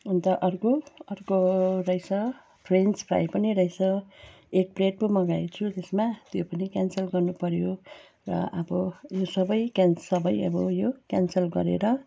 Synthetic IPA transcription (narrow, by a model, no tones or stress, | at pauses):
unt̪ʌʔʌrkoʌrkorʌjsʌ | pʰrenspra̰jpʌniɾʌjsʌ | ek̚preʈ̚pomʌɡajt͡sʰut̪esmat̪jopʌnikʲansʌlɡʌrnupʌɾjo | rʌ̰ʔʌbʌjosʌbʌjkansʌbʌjʌ̰bʌjokʲansʌlɡʌ̰ɾḛɾʌ